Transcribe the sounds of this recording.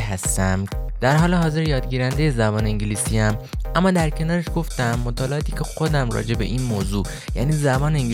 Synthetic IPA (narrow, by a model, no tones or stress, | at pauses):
ɦæst̪æmd̪̥æɾɦɒːle̞ɦɒːze̞ɾjɒːd̪ɟiːɾænd̪eje̞zæbɒːneeɲɟiliːsiːæmʔæmːɒːd̪æɾcʰe̞nɒːɾeʃɡ̥o̞ft̪æmːot̪ʰɒːleʔɒːt̪ʰiːcʰe̞xod̪æmrɒ̰ːd͡ʒe̞be̞̰ʔiːnmoːzuː | jæ̰ːniːzæbɒːneŋ